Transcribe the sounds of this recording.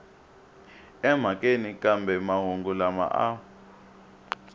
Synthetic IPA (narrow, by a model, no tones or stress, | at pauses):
ɛm̤akʼenikʼambɛmaɦuŋɡulama̰ʔa